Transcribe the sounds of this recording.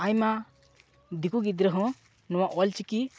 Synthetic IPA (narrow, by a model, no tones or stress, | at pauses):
ajma | d̪ikuɡid̪ɾəɦɔ̃ | nɔwaʔɔlt͡ʃiki